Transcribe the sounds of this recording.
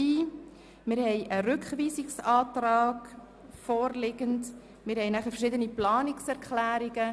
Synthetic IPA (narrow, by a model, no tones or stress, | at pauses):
iː | mɪːɾhɛɪʔəɾʏkχʋiːsɪksɑːtɾɑːɡ̥ | fɔːɾlɪɡənt | mɪːɾhɛɪnæχəfəɾʃɪd̪əniplɑːnɪksɛɾkʰχlæːɾiɡə